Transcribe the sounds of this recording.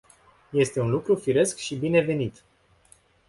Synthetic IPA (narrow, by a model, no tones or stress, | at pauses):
je̞st̪e̞unlukɾufiɾe̞skʃibine̞ve̞nit̪